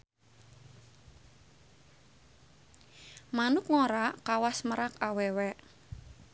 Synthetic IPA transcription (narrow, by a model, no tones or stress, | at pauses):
manʊkŋoɾakawasməɾakawɛwɛʔ